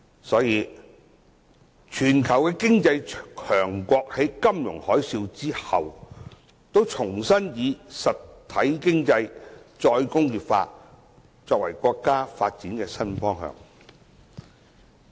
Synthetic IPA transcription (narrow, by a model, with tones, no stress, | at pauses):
sɔː˨˥jiː˨˧ | t͡ʃʰyː˨˩nkʰɐ˨˩wkɛː˧kɪ˥ŋt͡sɐ˧jkʰœː˨˩ŋkʷɔː˧k̚he˨˥jkɐ˥mjʊ̰˨˩ŋhɔː˨˥jsiː˧wt͡siː˥hɐ̰˨w | t̪o˥wt͡ʃʰʊ˨˩ŋsɐ˥njiː˨˧sɐ˨tt̪ʰːɐ˨˥jkɪ˥ŋt͡sɐ˧jt͡ʃɔː˧jkʊ˥ŋjiː˨˩p̚fa̰ː˧ | t͡sɔː˧k̚wɐ̰˨˩jkʷɔː˧kːaː˥faː˧t̚t͡siː˨˥nkɛː˧sɐ˥nfɔː˥ŋɦœ̰ː˧ŋ